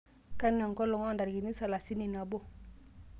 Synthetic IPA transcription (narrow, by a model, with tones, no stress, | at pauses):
ka˦n˦a˨ŋkɔ˦lɔ˨ŋɔ˦a˨nda˨ɾi˨ki˨ni˦sa˨la˨si˦ni˨na˨bo˦